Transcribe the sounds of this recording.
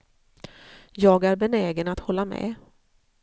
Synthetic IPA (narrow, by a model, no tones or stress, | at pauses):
jɑːɡæɾbɛnɛːɡənat̪hɔlːamɛ̰